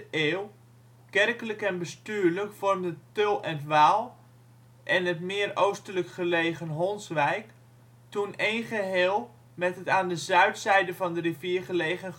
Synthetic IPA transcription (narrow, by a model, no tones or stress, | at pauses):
eːlˠ | kɛrkələkɛnbəstyːɹləkfɔrmdətølˠɛntʋaːlˠ | ʔɛnɦətmɪːrowstələkχəlejχənɦɔnsʋɛjk | tunejnχəɦeːlˠ | mɛtɦətaːndəzœɥtsɛjdəvɑndəriviərχəlejχən